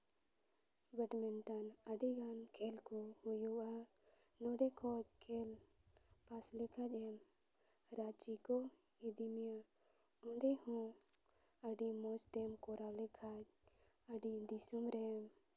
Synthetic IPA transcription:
bɛʈmɛɳʈanəɖiɡankʰelkɔhujua | nɔɖɛkʰɔd͡ʒkʰel | paslekʰad͡ʒɛm | ɾat͡ʃikɔ | id̪imija | uɳɖɛhɔ̃ | əɖimɔst̪ɛmkɔɾalɛkʰad͡ʒ | əɖid̪isumɾɛm

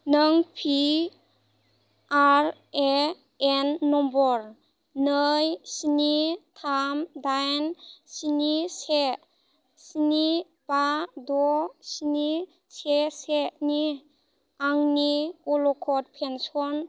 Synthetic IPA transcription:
nəŋpʰi | aɾ | e | enːɔmbɔɾ | nəjsinitʰamdajnsinise | sini | b̥adɔsini | seseni | aŋniɔlɔkʰɔt̚pʰensɔn

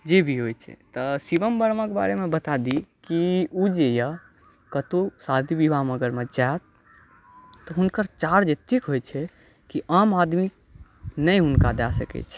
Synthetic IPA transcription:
d͡ʒebʱiɦojt͡ʃʰɛ̰t̪ɔsibəmbəɾmãkeba̰ɾemẽbət̪ad̪ikiud͡ʒejə | kət̪osad̪ʱibibʱaɦməɡəɾmẽd͡ʒaet̪ | ɔɦʊnkəɾt͡ʃaɾd͡ʒet̪ʰikɦojt͡ʃʰɛ | kiʔamad̪mi | nəjɦʊnkad̪asə̰kɛ̰t͡ʃʰɛ

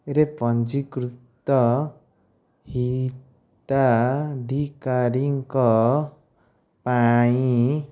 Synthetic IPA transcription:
eɾepʌnd͡ʒikɾut̪ːʌ | hi | t̪ad̪ʱikaɾiŋkɔ | paiĩ

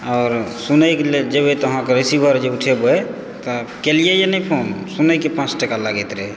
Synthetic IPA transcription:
aʊɾsunəjkeled͡ʒebet̪ɔəɦãkeɾisibʱəɾd͡ʒeuʈʰebəj | t̪ɔkelijejenɛjpʰonsunəjkepãt͡ʃʈəkalaɡɛt̪ɾe

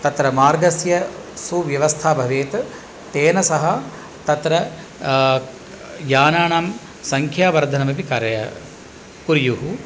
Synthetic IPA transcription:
t̪ɐt̪ɾɐmaːɾɡɐsjɐ | suʋjɐʋɐst̪ʰaːbʱɐʋeːt̪ | t̪eːnɐsɐɦɐ | t̪ɐt̪ɾɐ | jaːnaːɳaːm | sɐŋkʰjaːʋɐɾd̪ʱɐnɐmɐpikaːɾɐjɐ | kuɾjuɦu

